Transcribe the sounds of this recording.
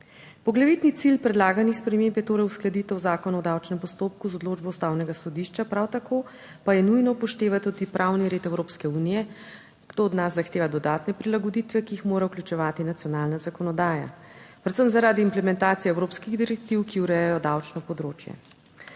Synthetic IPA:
pɔɡlaʋit̪nit̪silpɾɛd̪laːɡanixspɾɛmeːmbjɛt̪oːɾɛjusklɛd̪it̪ɛwzaːkɔnaɔd̪awt͡ʃnɛmpɔst̪oːp̚kuzɔd̪loːd͡ʒbɔwst̪awnɛɡasɔd̪iʃt͡ʃapɾawt̪akʰoː | pajɛnujnɔpɔʃt̪eːʋat̪ud̪ipɾʔawniɾeːt̪ɛwɾopskɛuːnijɛ | ɡ̥d̪̥oːd̪nazːaxt̪eːʋad̪ɔd̪aːt̪nɛpɾilaɡɔd̪it̪ʋɛkiixmoːɾauklʲjut͡ʃɛʋaːt̪inat̪sijɔnaːlnazakɔnɔd̪aːja̰pɾɛt̪səmzaɾaːd̪iːmplɛmɛnt̪aːt̪sijɛwɾopskiɣd̪iɾɛk̚t̪iwkiwɾɛjɛjɔd̪awt͡ʃnɔpɔd̪ɾoːt͡ʃjɛ̰

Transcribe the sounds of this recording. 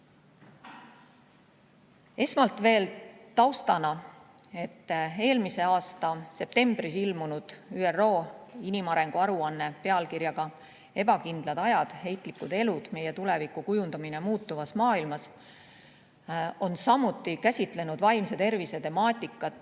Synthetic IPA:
e̞smɑlt̪ve̞ːlt̪ɑwst̪ɑnɑ | e̞t̪ːe̞ːlmise̞ɑːst̪ɑse̞p̚t̪e̞mb̥risilmunud̪̥yːero̞ːinimɑɾe̞ŋɡ̥uɑɾuɑnːe̞pe̞ɑlkirjɑɡ̥ɑ | e̞b̥ɑkind̪̥lɑd̪̥ɑjɑd̪̥he̞jt̪ˑlikːˑud̪̥e̞lud̪̥me̞je̞t̪ule̞vikˑukujund̪ɑminemuːt̪ːuvɑsmɑːilmɑs | o̞nsɑmut̪ːˑikæsʲit̪ˑle̞nud̪̥vɑjmset̪e̞rvise̞t̪e̞mɑːt̪ʲːˑikːˑɑt̪ːˑ

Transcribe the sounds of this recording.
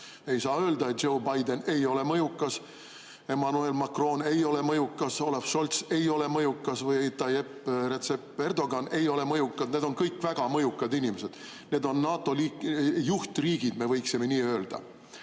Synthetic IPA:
e̞jsɑːø̞ːld̪ɑet̪̚o̞wbɑjd̪e̞ne̞jo̞le̞mɤjukːˑɑs | e̞mɑnue̞lmɑkro̞ːne̞jo̞le̞mɤjukːɑso̞lɑfʃolt̪se̞jo̞le̞mɤjukːɑsvɤjit̪ːɑje̞pːre̞t̪se̞pːe̞rd̪o̞ɡɑne̞jo̞le̞mɤjukːɑd̪̥ne̞d̪o̞nkɤjkːˑvæɡ̥ɑmɤjukːˑɑd̪inʲimese̞d̪̥ | ne̞ːd̪̥o̞nːɑːt̪ːˑo̞liːkjuht̪riːɡ̥id̪me̞vɤjksime̞niːø̞ːld̪̥ɑ̰

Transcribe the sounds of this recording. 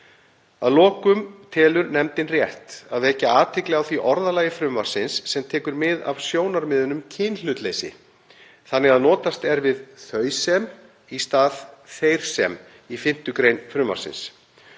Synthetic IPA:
a̰ðlɔːkʏmt̪ʰɛːlʏɾnɛmt̪ɪnrjɛht̪aðɛhcɪaːt̪ʰɪklɛɣawθviʔɔɾðalaːjɪfɾʏmvaɾ̥sɪnsːɛmt̪ʰɛːkʏɾmɪða̰v̥sjoːwnaɾmɪðʏnʏmcʰɪnlʏːt̪leːjsɪ̰ | θanːɪɣaðnɔːt̪ast̪ɛɾvɪðθœːɥsɛm | ist̪aːðθejɾ̥sɛ̰m | ifɪn̥t̪ʏkɾejnfɾʏmːa̰ɾ̥sɪ̰ns

